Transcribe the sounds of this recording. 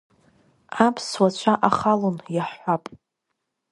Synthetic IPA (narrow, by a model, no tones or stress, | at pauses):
apʰswat͡ɕʷʰaʔaχalonjaħʷːapʼ